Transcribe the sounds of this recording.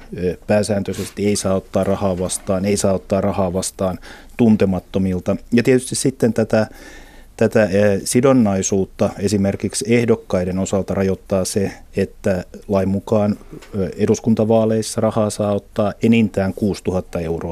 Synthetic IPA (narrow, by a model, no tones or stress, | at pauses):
pæːsæːnt̪øsest̪ieisɑːot̪ːɑːrɑhɑːʋɑst̪ɑːneisɑːot̪ːɑːrrɑhɑːʋɑst̪ɑːn | t̪unt̪emɑt̪ːomilt̪ɑjɑt̪iet̪yst̪issit̪ːent̪æt̪æ | t̪æt̪æsidonːɑisuːt̪ːɑesimerkiksehdokːɑiɾenosɑlt̪ɑrɑjot̪ːɑːse | et̪ːælɑimmukɑːneɾuskunt̪ɑʋɑːleisːɑrɑhɑːsɑːot̪ːɑːʔenint̪æːŋkuːst̪uhɑt̪ːɑeuroː